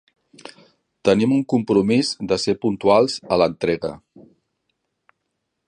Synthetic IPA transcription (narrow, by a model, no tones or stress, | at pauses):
t̪ənimuŋkumpɾumizd̪əsepunt̪ualˠzələnt̪ɾeɣə̰